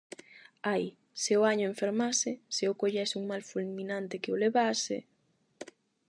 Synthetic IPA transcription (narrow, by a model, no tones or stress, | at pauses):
aj | sɪʊaɲʊeɱfeɾmasɪsɪʊkoʎɛsuŋmalfulmĩnant̪ɪkeoleβasɪ̰